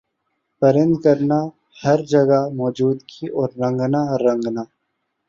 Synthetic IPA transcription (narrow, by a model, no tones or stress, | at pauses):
pɐɾə̃nd̪kɐɾna | hɐɾd͡ʒɐɡamɔːd͡ʒuːd̪kʰiʔɔːɾːɐ̃ŋɡnaɾɐ̃ŋɡnaː